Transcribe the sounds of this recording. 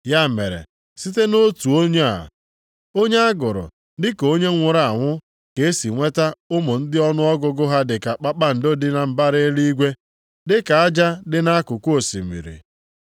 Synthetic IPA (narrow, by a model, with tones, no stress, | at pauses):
ja˦mḛ˨ɾḛ˨ | si˦te˦no˦tu˨o˦ɲe˦a̰˨ | o˦ɲe˦a˦ɡʊ˨ɾʊ̰˨ | dɪ˦ko˦ɲe˦ŋʷʊ˨ɾa˨a˨ŋʷʊ˦ | ke˨e˦si˨ŋʷe˦ta˦ʊ˦mʊ˨n̩˦dɪ˦ɔ˦nʊ˦ɔ˦ɡʊ˦ɡʊ˦ɦa˦dɪ˨ka˨k͡pa˦k͡pa˦n̩˨do˦dɪ˦na˨m̩˨ba˦ɾe˦li˦i˦ɡʷe˦ | dɪ˦ka˨a˦d͡ʒa˦dɪ˦na˦kʊ˨ko˦˨sḭ˨mḭ˨ɾḭ˨